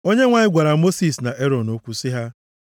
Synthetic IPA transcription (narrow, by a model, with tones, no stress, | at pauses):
o˦ɲe˦ŋʷa˨ɲɪ˦ɡʷa˨ɾa˨mo˦si˨sna˨ʔe˦ɾɔ˨no˦kʷu˦sɪ˦ɦa˦